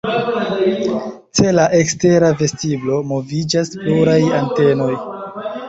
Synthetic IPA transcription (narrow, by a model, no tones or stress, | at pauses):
t͡se̞laʔe̞kste̞ɾave̞stiblo̞mo̞vid͡ʒaspluɾajante̞no̞j